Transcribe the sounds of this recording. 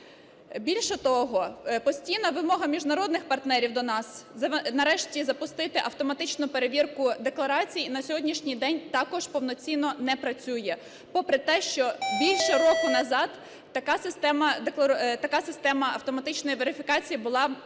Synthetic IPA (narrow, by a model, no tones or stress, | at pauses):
bʲilʲʃɛt̪ɔɦɔpɔsʲtʲijnɐʋɪmɔɦɐmʲiʒnɐɾɔd̪nɪxpɐrt̪nɛɾʲiwd̪ɔnɑsɐnɐɾɛʃtʲizɐpʊst̪ɪt̪ɪʔɐwt̪ɔmɐt̪ɪt͡ʃnʊpeɾeʋʲirkʊd̪eklˠɐɾɑt͡sʲijinɐsʲɔɦɔdʲnʲiʃnʲijd̪ɛnʲt̪ɑkɔʒ̥pɔwnɔt͡sʲinɔnɛpɾɐt͡sʲujɛ | pɔpɾɪt̪ɛʃt͡ʃɔbʲilʲʃɛɾɔkʊnɐzɑd̪ː | ɐkɑsɪst̪ɛmɐd̪ek̪ˠɐt̪ɐkɑsɪst̪ɛmɐɐwt̪ɔmɐt̪ɪt͡ʃnɔjiʋeɾɪfʲikɑt͡sʲijibʊlˠɑ